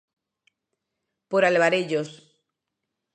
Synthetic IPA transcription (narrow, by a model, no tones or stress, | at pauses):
poɾaleβaɾeʎos